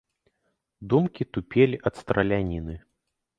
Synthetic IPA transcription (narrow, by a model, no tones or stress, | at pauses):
d̪umkʲit̪upʲelʲiʔɐt̪st̪ɾɐlʲanʲinɨ